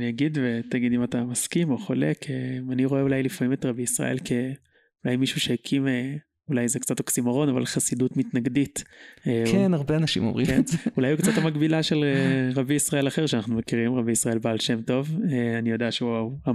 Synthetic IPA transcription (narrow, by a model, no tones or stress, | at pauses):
niaɡid̪vetaɡid̪imatamaskimo̞χo̞lekʰeaniʁo̞eulajlifamimetʁabiisʁa̰ʔe̞̰lkʰe | ulajmiʃuʃehekʰime | ulajzekt͡satoksimaʁo̞nava̰lχasidutmitnaɡditekenaʁbeanaʃḭmo̰mʁikeeneulajukt͡sat̪hamaɡbilaʃeleʁabijisʁae̞laχeʁʃeanaχnumekiʁimʁabiisʁae̞lbaːlʃe̞mto̞veanijo̞daaʃeoa